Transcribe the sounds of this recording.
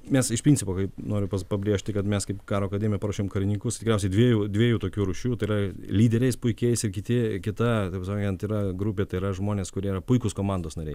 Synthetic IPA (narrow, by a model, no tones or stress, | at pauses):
mʲɛsɪʃpʲɾʲinʲt͡sʲɪpoːkɐɪpnoːɾʲʊpɐspɐbʲɾʲiɛʃʲt̪ʲɪkɐt̪mʲɛskɐɪpkɑːɾoːɐkɐd̪ʲeːmʲɪjɛpɐɾɐːʃʲoːmkɐɾʲɪnʲiːkʊst̪ʲɪkɾɛʊsʲɛɪd̪ʲʋʲiɛjuːd̪ʲʋʲiɛjuːt̪oːkʲuːɾʊʃʲuːt̪ɐɪːɾɐlʲiːd̪ʲɛɾʲɛɪspʊɪkʲɛɪsɪɾkʲɪt̪ʲɪkʲɪt̪ɐt̪ɐɪpskoŋʲɛnt̪iːɾɐɡɾʊpʲeːt̪ɐɪɾɐʒmoːnʲeːskʊɾʲiɛiɾɐpʊɪkʊskoːmɑnd̪oːsnɐɾʲɛɪ